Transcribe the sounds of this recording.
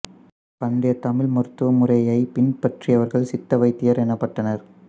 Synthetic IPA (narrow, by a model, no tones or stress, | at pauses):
pɐnɖɐjɐt̪ɐmɪlmɔɾɯt̪ːɯʋɐmʊrɐjɐɪpɪnpɐʈriɐʋɐɾɣɐɭsɪt̪ːɐʋɐɪt̪ːɪjɐɾɛnɐpːɐʈːɐnɐɾ